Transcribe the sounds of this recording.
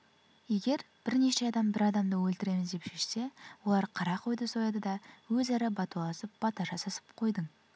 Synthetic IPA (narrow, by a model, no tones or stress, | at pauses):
je̞ɡʲe̞ɾ | b̥ɪɾne̞ʃeɑd̪ɑmbɪɾɑd̪ɑmd̪əwɵlt̪ɪɾe̞mɪzd̪e̞pʒ̥eʃse̞wo̞lˠɑɾqʰɑɾɑqʰo̞jd̪əsojɑd̪əd̪ɑwɵzæɾɪbɑt̪ulˠɑsəp̚b̥ɑt̪ɑʒɑsɑsə̥p̚qʰo̞jd̪əɴ